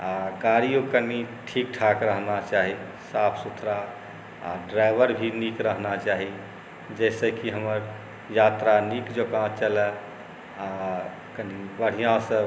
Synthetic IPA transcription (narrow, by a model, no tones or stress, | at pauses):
aɡaɾijõkəniʈʰikʈʰakɾəɦnat͡ʃaɦi | sapʰsut̪ʰɾa | a̰ɖɾajbəɾbʱinikɾəɦnat͡ʃaɦi | d͡ʒɛɪsəkiɦəməɾ | jat̪ɾanikd͡ʒokãt͡ʃəlɛ | a | kənibəɽ̤ijãsə̃